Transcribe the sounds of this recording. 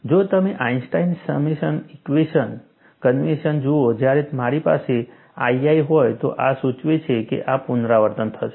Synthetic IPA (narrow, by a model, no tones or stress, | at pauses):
d͡ʒot̪əmeʔainsʈainsəmiʃənikʋeʃən | kənʋeʃənd͡ʒood͡ʒjaɾemaɾipa̰se | aiaiɦɔjt̪o̰ʔa̰sut͡ʃʋet͡ʃʰekḛʔapunɾaʋəɾt̪ənt̪ʰəʃe